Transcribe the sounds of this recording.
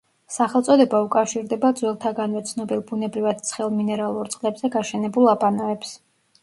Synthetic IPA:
saχɛlˠt̪sʼɔd̪ɛbaukʼafʃiɾd̪ɛbad̪zwɛlˠt̪ʰaɡanvɛt̪sʰnɔbilˠbunɛbɾivad̪̥̚t̪sʰχɛlˠminɛɾalˠuɾt̪sʼqʼlɛbzɛɡaʃɛnɛbulˠapʼanɔɛps

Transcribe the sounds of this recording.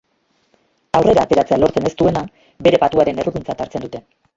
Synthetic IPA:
awre̞ɾaːt̪e̞ɾat͡se̞alo̞ɾt͡se̞ne̞st̪ue̞na | be̞ɾe̞pat̪uaɾe̞nerukunt͡sat̪aɾt͡se̞nd̪ut̪e̞

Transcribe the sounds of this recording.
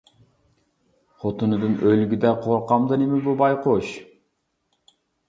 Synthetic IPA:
qʰot̪unud̪unølɡyd̪æqʰoɾqɑmd̪ɯnemibubɑjqoʃ

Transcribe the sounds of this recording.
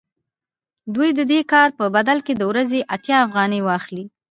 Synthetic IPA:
d̪ujd̪əd̪ekɑɾpəbad̪alked̪əwɾazeʔat̪jɑːfɣɑnəjwɑxli

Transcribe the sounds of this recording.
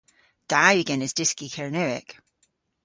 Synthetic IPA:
d̥ajɪɡɛ̃nɪzdɪskikʰɛɹnɛɪ̰k

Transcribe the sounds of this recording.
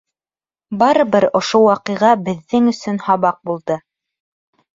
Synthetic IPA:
bɑɾɤβɘɾŏʃowɑqɤ̆ʁɑbɘ̆ðːɘŋɵ̆sɵnhɑβɑq̚bulˠd̪ɤ

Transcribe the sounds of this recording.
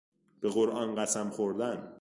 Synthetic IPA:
b̥e̞ɣo̞ɾʔɒːnɢæsæmχoɾd̪æn

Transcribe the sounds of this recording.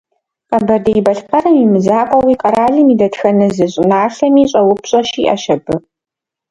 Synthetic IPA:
qɐbɐrdɐjbɐɬpɐɾɐmimɨzaːqʷʼɔwiːqʼɐɾaːɮɨmiːdɐtxɐnɨzɨɕʼɪnaːɬɐmiːɕʼɐwʊpɕʼɐʃiːʔɐʃɐbɨ

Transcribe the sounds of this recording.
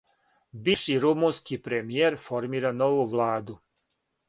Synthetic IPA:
biʃiɾumunskipɾemijeɾfo̞ɾmiːɾanoʋuʋlˠaːd̪u

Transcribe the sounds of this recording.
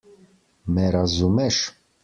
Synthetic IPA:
mɛɾazumɛʃ

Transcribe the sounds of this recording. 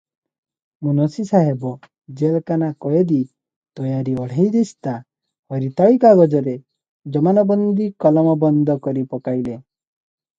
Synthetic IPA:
munɔsisaɦebɔ | d͡ʒelkanakɔjed̪i | t̪ɔjaɾiɔɽ̤ejd̪est̪a | hɔɾit̪aɭikaɡɔd͡ʒɔɾe | d͡ʒɔmanɔbɔnd̪ikɔlɔmɔbɔnd̪ʱɔkɔɾipɔkajle

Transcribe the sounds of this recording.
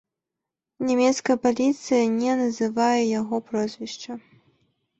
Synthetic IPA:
nʲɛmʲɛt̪skɐjɐpalʲit̪sɨjɐnʲɛnɐzɨvajɛjaɣɔpɾɔzʲvʲiʂt͡ʂɐ

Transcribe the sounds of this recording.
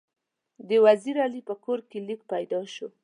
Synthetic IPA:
d̪əwaziɾalipəkoɾkelik̚pajd̪ɑʃo

